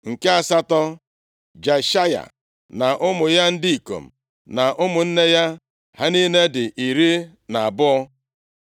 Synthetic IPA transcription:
ŋ̩˨ke˦a˨sa˦tɔ˦ | d͡ʒa˨ʃa˦ja̰˨ | na˨ʔʊ˦mʊ˨ja˦n̩˦di˦i˨ko̰˨m̩˨ | na˨ʔʊ˦mʊ˨n̩˦ne˦ja˦ | ha˦ni˦ne˦dɪ˨ʔi˨ɾi˦ | na˨a˨bʊ˦ɔ˦

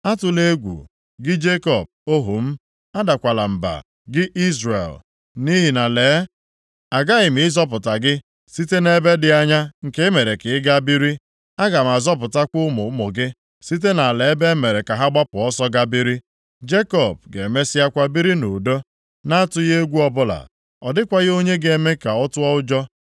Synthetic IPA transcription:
a˦tʊ˨le˦ɡʷṵ˨ | ɡɪ˦d͡ʒe˦kɔ˦˨b̚o˦ɦṵ˨m̩˦ | a˦da˨kʷa˨la˨m̩˨ba̰˨ | ɡɪ˦ʔi˦zrḛ˨l | ni˦ɦi˨na˨leː˨˦ | a˨ɡa˦ɣɪ˨m̩˨ɪ˦zɔ˦pʊ˨ta˨ɡɪ˦ | si˦te˦ne˦be˦dɪ˨a˦ɲa˦ŋ̩˨ke˦me˨ɾe˨kɪ˨ɪ˦ɡa˦bi˦ɾi˦ | a˦ɡa˨m̩˨a˨zɔ˦pʊ˨ta˦kʷʊ˦mʊ˨˦mʊ˨ɡɪ˦ | si˦t̬e˦na˨le˨˦be˦me˨ɾe˨ka˨ɦa˦ɡ͡ba˦pʊ˨ɔ˦sɔ˦ɡa˦bi˦ɾi˦ | d͡ʒe˦kɔ˦˨b̚ɡe˨me˦sɪ˦a˦kʷa˦bi˦ɾi˦no˨do˦ | na˦tʊ˨je˦e˦ɡʷu˦ɔ˦bʊ˦la̰˨ | ɔ˨dɪ˦kʷa˦ɣo˦ɲe˦ɡe˨˦˨me˦ka˨ɔ˦tʊ˦ɔ˦ʊ˦d͡ʒɔ˦

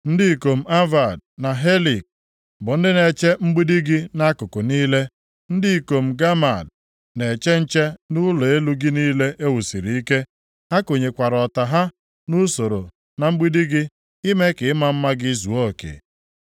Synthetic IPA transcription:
n̩˦dɪ˦i˨ko˨m̩˦a˦va˨d̚na˨ɦe˦li˨k̚ | bʊ˨n̩˦dɪ˦ne˨t͡ʃe˦ŋ͡m̩˦ɡ͡bi˦di˦ɡɪ˦na˦kʊ˨kʊ˨niː˦le˦ | n̩˦di˦˨ko˨m̩˨ɡa˦ma˨d | ne˨t͡ʃe˦n̩˦t͡ʃe˦nʊ˦lo˨e˦lu˦ɡɪ˦niː˦le˦ʔe˦wu˨si˨ɾi˨i˦ke˦ | ha˦ko˨ɲe˨kʷa˨ɾɔ˨ta˨ɦa˦ | nu˦so˨ɾo̰˨ | na˨ŋ͡m̩˦ɡ͡bi˦di˦ɡɪ˦ | i˦me˦kɪ˨ɪ˦ma˦m̩˦ma˦ɡɪ˦zu˨o˦˨kḛ˨

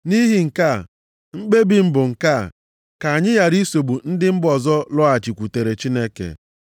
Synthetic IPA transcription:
ni˦ɦi˨ŋ̩˨ka˦˨ | ŋ͡m̩˦k͡pe˦bi˨m̩˦bʊ˨ŋ̩˨ka̰˦˨ | ka˨ɲɪ˦ja˨ɾi˦so˨ɡ͡bu˨n̩˦dɪ˦m̩˦bɔ˨zɔ˦lɔ˦a˨t͡ʃi˨kʷu˨te˨ɾe˨t͡ʃi˦ne˦kḛ˨

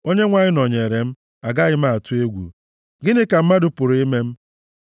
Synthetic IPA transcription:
o˦ɲe˦ŋʷa˨ɲɪ˦nɔ˨ɲe˨ɾe˨m̩˦ | a˨ɡa˦ɣɪ˦m̩˦a˦˨a˨tu˦e˦ɡʷṵ˨ | ɡɪ˦nɪ˦ka˨m̩˦ma˦dʊ˨pʊ˨ɾi˦me˦m̩˦

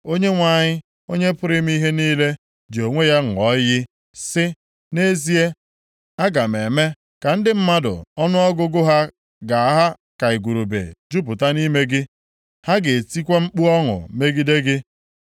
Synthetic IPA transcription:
o˦ɲe˦ŋʷa˨ɲɪ˦ | o˦ɲe˦pʊ˦ɾɪ˦m˦i˦ɦe˦niː˦le˦ | d͡ʒo˨ŋʷe˦ja˦ŋ̩˨ɔ˦jɪ˦ | sɪ˦ | ne˦zi˦e˦ | a˦ɡa˨m̩˨e˨me˦ | ka˨n̩˦dɪ˦m̩˦ma˦dʊ̰˨ɔ˦nʊ˦ɔ˦ɡʊ˦ɡʊ˦ɦa˦ | ɡa˨a˦ɦa˦ | ka˨i˨ɡʷu˨ɾu˨bḛ˨d͡ʒu˦p̬ʊ˨ta˦ni˦me˦ɡɪ˦ | ha˦ɡe˨ti˦kʷe˦m̩˦k͡pu˦ɔ˦ŋʊ̰˨me˦ɡi˦de˦ɡɪ˦

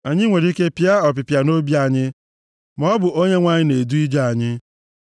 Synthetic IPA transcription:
a˨ɲɪ˦ŋʷe˨ɾi˦ke˦pja˦ɔ˨p̬ɪ˨pja˨no˦bi˦a˨ɲɪ˦ | mɔ˦bʊ˨o˦ɲe˦ŋʷa˨ɲɪ˦ne˨du˦i˦d͡ʒa˦a˨ɲɪ˦

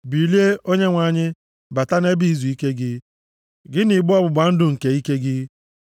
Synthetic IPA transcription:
bi˨li˦e˦ʔo˦ɲe˦ŋʷa˨ɲɪ˦ | ba˨ta˦ne˦bi˦i˨zu˨i˦ke˦ɡɪ˦ | ɡɪ˦ni˨ɡ͡bʊ˦ɔ˦bʊ˨ɡ͡ba˨n̩˦dʊ˨ŋ̩˨ke˨i˦ke˦ɡɪ˦

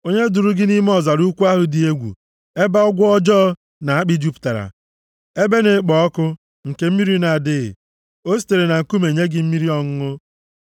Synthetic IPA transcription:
o˦ɲe˦dʊ˨ɾʊ˦ɡɪ˦ni˦m˦ɔ˦˨za˨ɾu˦kʷu˦a˦ɦʊ˦di˨e˦ɡʷṵ˨ | e˦ba˦ɔ˦ɡʷʊ˦ɔ˦d͡ʒɔː˦ | na˨a˦k͡pi˦d͡ʒu˦pta˨ɾa̰˨ | e˦be˦ne˨˦k͡pɔ˨ɔ˦kʊ˦ | ŋ̩˨ke˨m̩˦mi˦ɾi˦i˦na˨dɪ˦ɣɪ̰˨ | o˦si̥˨te˨ɾe˨na˨ŋ̩˨ku˦me˨ɲe˦ɡɪ˦m̩˦mi˦ɾi˦ɔ˨ŋ̩˦ŋʊ˦

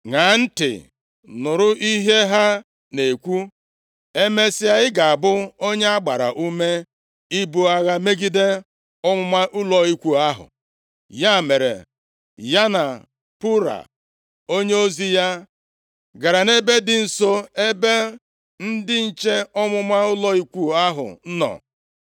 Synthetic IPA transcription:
ŋa˨n̩˦tɪ̰˨ | nʊ˨ɾʊ˦ʔi˦ɦe˦ɦa˦ | ne˨kʷu˦ | e˦me˦sɪ˦a˦ɪ˦ɡa˨a˨bʊ˦o˦ɲe˦a˦ɡ͡ba˨ɾa̰˨ʔu˦me˦ | i˦bu˦a˦ɣa˦me˦ɡi˦de˦ | ɔ˦mʊ˦ma˦ʔu˦lɔ˦i˦kʷu˦a˦ɦʊ̰˨ | ja˦˨me˨ɾḛ˨ | ja˦na˨ | pu˦ɾa̰˨ | o˦ɲe˦o˦zi˦ja˦ | ɡa˨ɾa˨ne˦be˦dɪ˦n̩˨so˦e˦be˦ | n̩˦dɪ˦n̩˦t͡ʃe˦ɔ˦mʊ˦ma˦ʊ˦lɔ˦i˦kʷu˦a˦ɦʊ̰˨n̩˦nɔ̰˨

